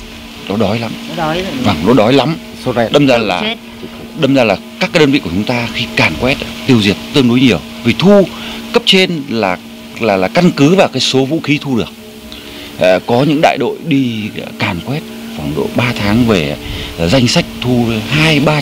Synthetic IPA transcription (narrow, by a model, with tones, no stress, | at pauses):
ɗɔ˨˦ɗɔ˨˦jla˨˦m˨˦vaː˨˩ŋɗo̰˧˨˦ɗɔ˨˦jla˨˦m | ɗə˧mzaː˧laː˨˩ | ɗə˧mzaː˧laː˨˩kaː˦˥k̚aː˨˦ɗə˧nvḭ˧˨u˧˩t͡ɕʊ˨˦ŋ͡mt̪aː˧xi˧kaː˨˩nkwɛ˦˥t̚t̪i˧əwzi˨˩ət̚t̪ɨ˧əŋɗo˨˦jɲi˨˩əw | vi˨˩t̪ʰu˧kə˦˥p̚t͡ɕe˧nlaː˨˩ | laː˨˩laː˨˩ka˧nkɨ˨˦vaː˨˩wkaː˨˦jso˨˦vṵ˧˥xi˨˦t̪ʰu˧ɗɨ˨˩ək̚ | ʔkɔ˨˦ɲɨ̰˧˥ŋɗa̰ː˧˨jɗo̰˧˨jɗi˧kaː˨˩nkwɛ˦˥t̚va˨˩wŋ͡mɗo̰˧˨ɓaː˧t̪ʰaː˨˦ŋve˨˩za˧jŋ̟sa˦˥jk̟̚t̪ʰu˧˦haː˧jɓaː˧